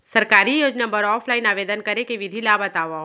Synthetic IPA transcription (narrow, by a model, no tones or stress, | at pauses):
sɐɾkaːɾijoːd͡ʒnabəɾɔːfʰlaːɪnaːʋeːd̪ənkɐɾekeʋɪd̪ʱilaːbɐt̪aːʋa